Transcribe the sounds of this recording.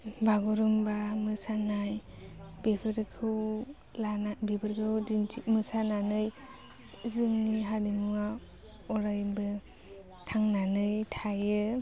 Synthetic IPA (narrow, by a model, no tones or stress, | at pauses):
baɡuɾumbamɯsanajb̥ebʰɯɾkʰɯw | lanabebʰɯɾkʰɯwdintʰimɯsananɯj | zɯŋniɦadimuŋa | ɔɾajbɯ | tʰaŋnanɯjtʰajɯ